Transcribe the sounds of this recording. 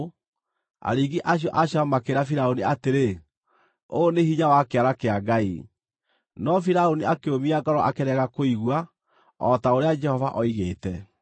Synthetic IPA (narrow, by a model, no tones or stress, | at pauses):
a̰ɾiɡiʔaɕ̬jɔʔaɕjamakeɾafiɾaoniateɾe | oːnehiɲawakeaɾakeaɡai | nɔfiɾaoniakeomiaɡaɾɔʔakeɾɛɣakoiɣwa | ɔtaoɾead͡ʒɛhɔvaʔɔiɣeːtɛ